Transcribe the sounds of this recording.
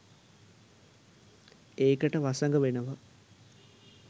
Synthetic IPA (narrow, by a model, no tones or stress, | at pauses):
eːkəʈəʋasɐŋɡəʋenəʋə